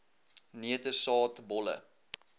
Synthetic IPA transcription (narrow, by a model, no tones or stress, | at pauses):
niətəsɑːtbɔlə̰